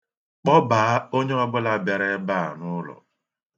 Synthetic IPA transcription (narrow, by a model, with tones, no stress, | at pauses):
k͡pɔ˦baː˨a˦o˦ɲe˦ɔ˦bʊ˦la˨be˨ɾe˦ba˦˨a̰˨nʊ˦lɔ̰˨